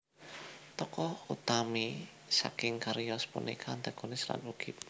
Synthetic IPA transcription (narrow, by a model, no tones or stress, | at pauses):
t̪ɔkɔhut̪ami | sa̰kɪŋkaɾijɔspṵnḭkʰant̪aɡ̥onɪsla̰nuɡ̥ɪp̚